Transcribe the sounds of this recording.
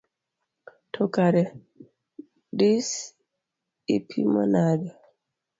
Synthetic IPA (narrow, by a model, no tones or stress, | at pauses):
tʰɔkaɾɛ | dis | ipʰḭma̰nadɛ